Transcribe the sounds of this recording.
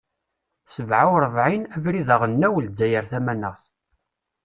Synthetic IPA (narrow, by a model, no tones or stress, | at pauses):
səvʕawɾˤəvʕinævɾiðəʁənːæwld̪ːæjəɾθæmænəʁθ